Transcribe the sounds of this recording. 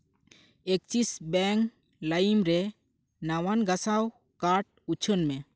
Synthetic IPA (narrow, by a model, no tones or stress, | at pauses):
ek̚t͡ʃisbɛŋ | lajimɾɛ | nawanɡasaw | kaɾʈ̚ut͡ʃʰənmɛ